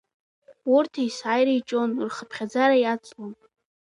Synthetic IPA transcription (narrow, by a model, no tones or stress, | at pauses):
urtʰaisajɾajt͡ʃʼo̞nrχəpʰχʲad͡zaɾajat͡sʼlon